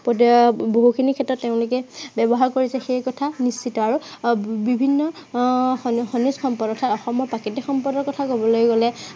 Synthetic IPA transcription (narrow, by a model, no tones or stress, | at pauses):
potboɦukʰinikʰɛtɔtːeʊ̃lʊkɛbɛbɔɦaɹkoɹisɛxejkɔtʰanisːitɔaɹubibʱinːɔ | xɔnisxɔmpɔdɔtʰatɔxɔmɔpakitixɔmpɔdɔɹkɔtʰakobɔlojɡɔlɛ